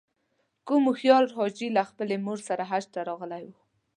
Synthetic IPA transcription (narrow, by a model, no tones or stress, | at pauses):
kumuxjɑlɦɑd͡ʒilaxpəlemoɾsaɾaɦaʃt̪aɾɑɣəlajwu